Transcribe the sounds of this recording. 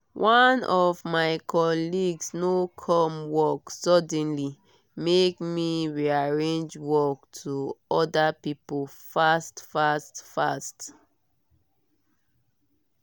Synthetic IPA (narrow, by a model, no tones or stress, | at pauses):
wʔanɔvmaɪkʰɔliɡsnokʰɔ̃mwɔksɔdɛ̃nli | mekmiɹiaɹẽnd͡ʒwɔk̚tʰuɔdapipo | fastfastfast